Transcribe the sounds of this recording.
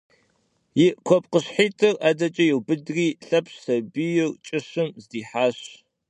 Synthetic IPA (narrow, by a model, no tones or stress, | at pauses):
jɪkʷʰɔp̚ʼqəɕħiːtʰɨrʔaːdɐt͡ʃʼɐjɪwbɨdriːɬɐpsɐbijɪrt͡ʃʼɪɕɨmzdiːħaːɕ